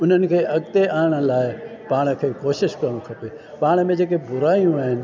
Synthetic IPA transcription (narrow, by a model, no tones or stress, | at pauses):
ʊn̤ənɪ̆kʰeːʔɐɡt̪eaːɪɽ̃ə̆laːɪpaːɽ̃ə̆kʰeːkoːʃɪʃkɐɾɽ̃ũkʰɐpe | paːɽ̃ə̆mẽd͡ʑeːk̬ebʊɾaːijũaːɦɪnɪ̆